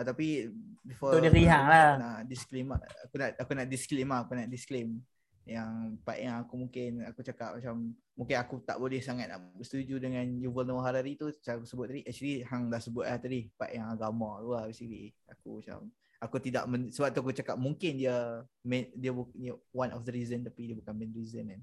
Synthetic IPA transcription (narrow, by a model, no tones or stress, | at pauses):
at̪apibifɔdifiɦaŋlanaʔdisklimaakunaʔakunaʔdisklimakunaʔdisklem | jaŋpaʔjaŋakumuŋkɪnakut͡ʃakap̚mat͡ʃamː | ũŋkɪnakut̪a̰ʔbolɛhsaŋat̪̚na̰ʔbəst̪ud͡ʒudəŋanjuvəlnoɦaɾaɾit̪ut͡ʃaakusəbʊt̪̚ːadiʔak̚t͡ʃəlihaŋdahsəbʊt̪̚laht̪adihpaʔjaŋaɡamaluabesiklḭakṵmat͡ʃa̰m | akut̪ida̰ʔmənsəbap̚t̪uakut͡ʃakap̚muŋkɪndiəmɛdiəbuəwanʔɔfd̪əɾizənt̪apidiəbukanmɛnɾizənan